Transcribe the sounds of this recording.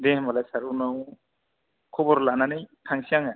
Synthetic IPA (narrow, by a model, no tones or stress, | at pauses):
dembalajsaɾunɔw | kʰɔbɔɾlananɯjtʰaŋsiaŋa